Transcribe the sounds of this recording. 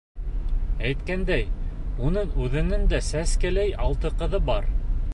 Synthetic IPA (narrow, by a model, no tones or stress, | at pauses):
æjt̪kænd̪æjunɤɴʉðɘ̆nɘnd̪æsæskælæjɑlˠt̪ɤ̆qɤ̆ðɤbɑɾ